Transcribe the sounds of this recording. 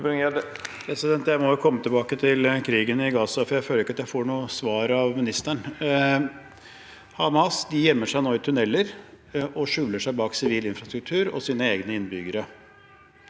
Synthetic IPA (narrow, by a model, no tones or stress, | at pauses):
pʰɾɛsɪd̪ɛnt̪jæɪmɔjʊkʰɔmːət̪ʰɪlbɑːkət̪ʰɪlkʰɾiːɡənɪɡɑːsɑfɔɾjæɪføːləɾɪkːɑt̪jæɪfoːɳuːəsʋɑːɾɑʋmɪnɪst̪æɳ | hɑmɑsd̪ɪjɛmːəʂæɪnoːɪt̪ʰʉnɛlːəɾ | ʔɔʂʉːləʂæɪbɑːksɪʋiːlɪnfɾɑst̪ɾʉk̚t̪ʰʉːɾɔ̰siːnəeːɡnəɪnbʏɡəɾə